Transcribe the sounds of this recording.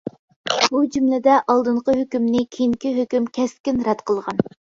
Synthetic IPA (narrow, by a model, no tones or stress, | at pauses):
bud͡ʒumlɪd̪ɛʔɑlˠd̪ɨɴqəɦøkʲymnɪkʲʰeiŋkʲiɦøkʲymkʲʰɛst̪kʲinɾɛt̪qʰəlˠʁɑn